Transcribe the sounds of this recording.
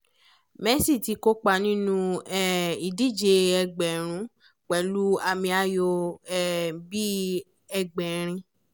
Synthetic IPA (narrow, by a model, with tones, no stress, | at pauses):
mɛ˦si˦˨ti˧ko˦k͡pa˧˨nĩ˦nũ˧ɛ˦˨i˨di˦˨d͡ʒe˧ɛ˧ɡ͡bɛ˨ɾ̃ũ˨˦ | k͡pɛ˨˦lu˦a˧mĩ˧a˦jo˧ɛ˦˨bi˦ | ɛ˧ɡ͡bɛ˨ɾ̃ĩ˧